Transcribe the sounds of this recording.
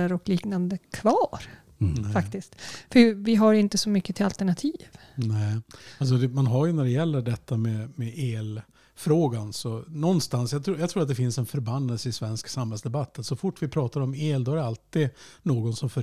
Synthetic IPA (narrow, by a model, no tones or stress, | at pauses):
əɾɔkliːknand̪əkʰvɑːɾ | fat̪ɪst̪fœvɪɦaɾɪnt̪əsɔmʏkːət̪ʰɪlalt̪əɳat̪ʰiːvnɛɪals̬ɔd̪ɛmanɦaɾjɵnæɖɛjɛlːəɖɛt̪ʰːamɛmɛeːl | fɾoːɡansɔnɔnːst̪ansjat̪ʰuːjat̪ʰɾuːɾat̪̚d̪ɛfɪnsɛnfœɾbanːəlsəɪsvɛnsksamhɛlsd̪ɛbat̪ːənsɔfʊʈːvɪpʰɾɑːt̪aɾɔmeːld̪ɔhæɖɛalt̪idnoːɡɔnsɔmfœ